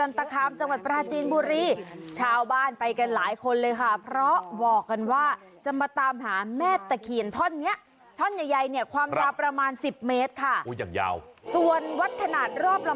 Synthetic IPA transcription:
sa˧nt̪a˧kʰaː˧mt͡ɕa˧ŋwa˨˩t̪̚pɾaː˧t͡ɕiː˧nbuː˧ɾiː˧t͡ɕʰaː˧wbaː˥˩npa˧jka˧nlaː˩˦jkʰo˧nlɤː˧jkʰa˥˩pʰɾɔ˦˥bɔː˨˩kːa˧nwaː˥˩ | t͡ɕa˧˩maː˧t̪aː˧mɦaː˩˦mɛː˥˩t̪ːɛː˨˩kʰi˨˩ənt̪ʰɔ˥˩nːi˦˥ɐʔ | t̪ʰɔ˥˩nja˨˧˩jda˧jni˥˩ɐkʰwaː˧mjaː˧wpɾa˧maː˧nsi˨˩p̚meː˦˥t̪̚kʰa˥˩o˦˩ja̰ː˨˩ŋja̰ː˧wsu˨˩ənwa˦˥t̪̚kʰa˧naː˨˩t̪̚ɾɔː˥˩p̚la˧

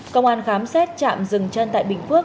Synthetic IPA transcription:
kə˧wŋ͡mʔaː˧nxaː˨˦msɛ˦˥tt̚t͡ɕa̰ː˧˨mzɨ˨˩ŋt͡ɕə˧nt̪a̰ː˧˨jɓï˨˩ŋ̟ku˦˥ək

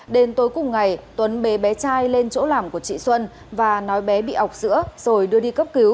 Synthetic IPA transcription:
ɗe˧nt̪o˨˧˦jkʊ˨˩ŋ͡mŋa˨˩jt̪wə˨˦nɓe˨˦ɓɛ˨˦t͡ɕaː˧jle˧nt͡ɕo̰˧˥laː˨˩mku˧˩ət͡ɕḭ˧˨swə˧n | vaː˨˩nɔ˨˦jɓɛ˨˦ɓḭ˧˨ʔha˨˩wk͡p̚z̥ɨ̰˧˥əz̥o˨˩jɗɨ˧əɗi˧kə˦˥p̚ki˨˦w

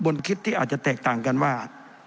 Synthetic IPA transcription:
bo˧nkʰi˦˥t̪ʰːiː˥˩aː˨˩t̪̚t͡ɕa˧t̪ɛː˨˩k̚t̪aː˨˩ŋka˧nwaː˥˩

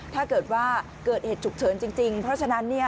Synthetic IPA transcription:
t̪ʰaː˥˩kɤː˨˩t̪̚waː˥˩ | kɤː˨˩t̪̚heː˨˩t̪̚t͡ɕʰu˨˩k̚t͡ɕʰɤː˩˦nt͡ɕi˧ŋt͡ɕi˧ŋpʰɾɔ˦˥t͡ɕʰa˧na˦˥nːi˥˩ɐ

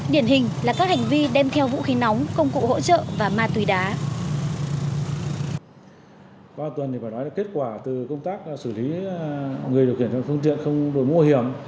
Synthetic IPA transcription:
ɗi˨˧˩ənɦï˨˩ŋ̟laː˨˩kaː˦˥k̚ha˨˩ŋ̟vi˧ɗɛ˧mt̪ʰɛ˧wvṵ˧˥xi˨˦na˨˦wŋ͡mkə˧wŋ͡mkṵ˧˨ho̰˧˥t͡ɕə̰ː˧˨vaː˨˩maː˧t̪wi˨˦ɗaː˨˦ | ka˧˨˩t̪wə˨˩ni˨˩faː˧˩nɔ˨˦jlːke˦˥t̚kwaː˧˩t̪ɨ˨˩kə˧wŋ͡mt̪aː˦˥k̚sɨ˧˩li˨˦ | ŋɨ˨˩əɗk̚hi˧˩ənt͡ɕɔ̰˧˨˦fɨ˧ŋt̪ḭ˧˨ənxə˧wŋ͡mɗo˧˩jmu˧hi˧˩əm

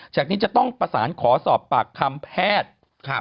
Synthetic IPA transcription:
t͡ɕaː˨˩k̚niː˦˥t͡ɕa˨˩t̪ɔ˥˩ŋpɾa˧sa̰ː˩˦nkʰɔː˩˦sɔː˨˩pːaː˨˩kʰːa˧mpʰɛː˥˩t̪̚ʰ

